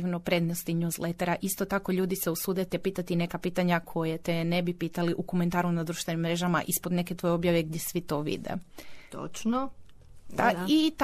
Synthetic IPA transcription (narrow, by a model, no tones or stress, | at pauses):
iʋnopɾe̞d̪nost̪iɲuːzlet̪eɾaʔist̪ot̪ako̞ʎuːd̪iseusud̪et̪epiːt̪at̪ine̞kapiːt̪aɲakʰo̞jet̪enebipiːt̪aliʔukome̞nt̪aːɾunad̪ɾuːʃt̪ʋe̞nimːɾe̞ːʒama̰ʔispod̪ne̞ket̪ʋo̞jeo̞bjaʋe̞ɡ̚d̪jesʋit̪o̞ʋḭd̪ḛt̪o̰t͡ʃno | d̪ait̪